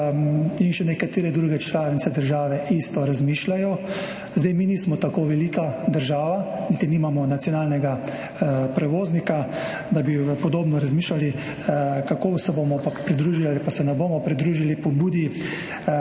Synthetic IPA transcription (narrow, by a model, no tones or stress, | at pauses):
inʃɛnɛkat̪eːɾɛd̪ɾuɡɛt͡ʃlaːʋnit̪sɛd̪əɾʒaːʋɛʔist̪ɔɾazmiːʃlajɔ | zd̪ɛjminiːsmɔt̪akoːʋɛlikad̪əɾʒaːʋanit̪inimamɔnat̪sjɔnaːlnɛɡa | pɾɛʋoːznika | d̪abipɔd̪oːbnɔɾazmiːʃlali | kakoːsɛbomɔpapɾid̪ɾuːʒialipasɛnɛboːmɔpɾid̪ɾuːʒilipɔbuːd̪i